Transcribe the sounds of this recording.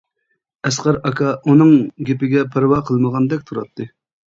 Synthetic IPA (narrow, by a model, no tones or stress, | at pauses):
ɛsqɑɾɑkʰɑʔunɨŋɡʲepɪɡʲɛpʰɪɾwɑqʰəlˠməʁɑnd̪ɛk̚ʲt̪ʰuɾɑt̪ʰːɨ